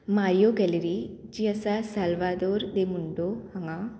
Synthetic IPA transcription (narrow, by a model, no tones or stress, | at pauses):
maːɾijoɡɛliɾid͡ʒiɐsasɐlʋad̪oːɾd̪emuɳɖohɐŋa